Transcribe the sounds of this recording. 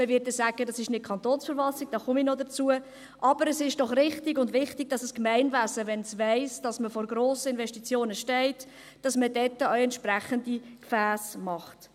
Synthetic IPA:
məvɪt̚dɛsæːɡ̥ədɑsɪʃnɪt̚kʰɑnt̪oːnsfəɾvɑltɪɡ̚d̥ɑːχʊminɔdət͡suə | ʔɑbəɾəsɪʃd̥ɔχrɪχtɪɡʊndʋɪχtɪɡ̚d̥ɑsəskmæɪnvæːsəʋɛnsvæɪsd̥ɑsməfɔɾɡɾoːsəɪnvɛʃtit͡sjoːnəʃtɛɪt | d̥ɑsmədɛtːəœʊɛntʃpɾæχəndikfæːsmɑχt

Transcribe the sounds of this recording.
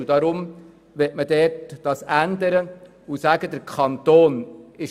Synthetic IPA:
d̥̪ɑɾʊm | ʋɛtmədɛtd̥ɑːsænd̪əɾə | usæɡəd̪əɾkʰχɑnt̪oːnɪʃ

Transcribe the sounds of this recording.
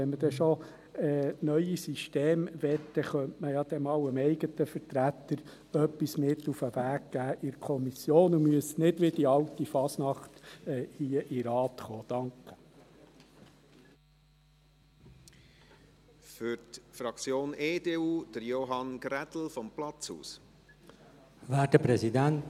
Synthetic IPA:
ɛnməd̥ɛʃo | ɛːnœʏisiʃteːmʋɛt̪ːəχœntməjɑd̥̪ɛmɑwəmɛɪɡətəfəɾtɾæt̪ːəɾ | œpːismɪt̪ːufəʋæːɡɡ̥æːʔɪɾkʰɔmisjoːnumyəsnɪdʋɪdiɑwtifɑsnɑχt̪ːhiəʔɪɾɑːt̪χoːd̥ɑŋkə̥ | fʏɾtfɾɑkt͡sjoːneːdeːuːd̥əɾjoɦɑnɡɾɛtl̩fɔmplɑt͡shṵːs | vædəpɾɛzidænt

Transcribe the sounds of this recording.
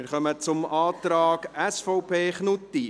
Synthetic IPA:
ɪɾχœmət͡sʊmɑːt̪ɾɑːɡæsfɔʊpʰeːχnʊt̪ːi

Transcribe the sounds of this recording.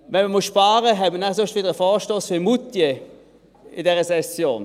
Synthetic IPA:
ʋɛnməmusʃpaːʁəɦɛtmənasʊʃtʋɪːdəʁəfɔːʃtoːsfyɐmutje | ɪ̰dɛːʁəsɛsjoːn

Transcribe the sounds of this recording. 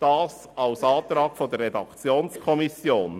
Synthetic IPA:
d̥ɑːs | ɑʊsɑːt̪ɾɑːɡ̥fod̪ərɛdɑkt͡sjoːnskʰɔmisjoːn

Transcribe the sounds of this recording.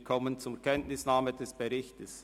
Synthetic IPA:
kʰɔmənt͡sʊmkʰɛntnɪsnaːmədɛsb̥eɾɪçtəs

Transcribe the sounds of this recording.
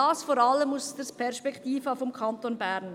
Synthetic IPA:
ɑːsfɔːɾɑlːəmusd̥əspʰɛɾʃpɛktiːfɑfɔmkʰɑnt̪onbæɾn

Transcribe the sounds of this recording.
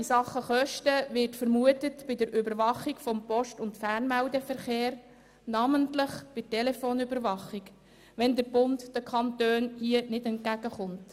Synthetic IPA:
ɪsɑχːəχœʃtəʋɪrtfəɾmuətətb̥ɪdəɾʔʏbəɾʋɑχikfɔmpɔʃtʊntfæɾnmæwdɛfəɾχeːɾ | nɑməntləχb̥ɪtɛlɛfoːnybəɾʋɑχik | ʋɛndəɾbʊntdəkʰɑntøːnhiənɪdɛnt̚kæɡ̥əχʊnt

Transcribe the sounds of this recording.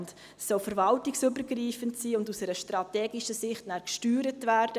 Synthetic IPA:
nt | sɔlfəɾvɑltɪksøbəɾɡriːfəntsiːʊndusəɾəʃtɾɑtɛːɡiʃəsɪχtnæːɾkʃtyːɾətvæːɾd̥ə

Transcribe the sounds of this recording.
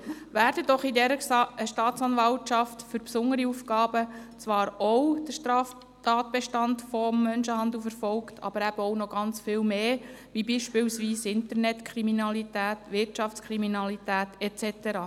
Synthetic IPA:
væːɾd̥əd̥ɔχidɛɾəʃtɑːtt͡sɑnvɑltʃɑftfʏɾpsʊnəɾiufɡɑːbət͡sʋɑːɾɔwd̥əʃtɾɑːf | tɑːt̪̚b̥eʃtɑntfɔmːœnʃəhɑnd̪l̩fəɾfɔlktʰɑ̰b̥əɾæb̥əɔwnɔɡ̥ɑnt͡sfɪːlmeː | ʋibiːʃpɪwsʋiːsɪntəɾnɛtkʰɾiminɑlitæːtʋɪrtt͡ʃɑft͡skʰɾiminɑlitæːtɛt͡sɛt̪əɾɑː

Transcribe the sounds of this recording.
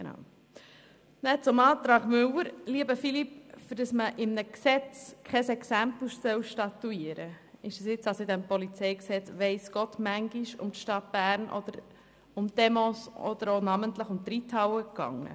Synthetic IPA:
enɑ̰ʊ | nɛt͡sʊmɑːt̪ɾɑːɡmʏwəɾliəbəfilipfʏɾdɑsməʔɪmnəksɛt͡skχɛsɛksæmpluʃsœwʃtɑt̪uiəɾə | ɪʃəsjɪt͡sɑsoɪd̪ɛmpɔlit͡sɛɪksɛt͡sʋɛɪsɡ̥ɔtmæŋɡiʃʊ̰mtʃtɑt̚b̥æːɾnʔɔ̰d̪̥əɾ | ʊmd̥̪ɛmɔsɔ̰d̥̪əɾonɑməntləχʊmt̪ɾitʰɑwəkɑ̰ŋːə̰

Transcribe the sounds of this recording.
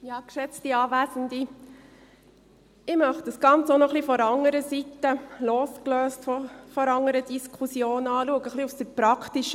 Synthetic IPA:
jɑːkʃɛt͡stiɑːvæːzəndi | ɪmœχt̚d̥əsɡ̥ɑnt͡sonɔχlifɔɾɑŋəɾəsitːəloːskløːstfɔfɔɾɑŋəɾədiskʰusjoːnɑːluəɡəχliufsd̥əpɾɑktiʃə

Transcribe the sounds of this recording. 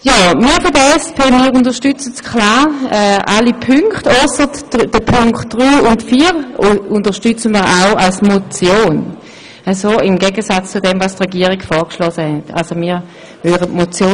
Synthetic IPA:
jaːmiːɐfodəɛspʰeːmiːʁʊndəʃtʏt͡səskʰlaːʁɛːʔalipʰʏŋkχtɔsətd̥əpʰʊŋktd̥ʁyːʊntfiːʁʊntəʃtyt͡səmiːɐʁaʊalsmot͡sjoːn | əsoɪmɡɛɡəsat͡st͡sʊdɛmvastʁɛɡiːəʁiɡfɔːʁkʃlɔsəhɛtʰa̰lsomiːʁ | vøʁətmot͡sjoː

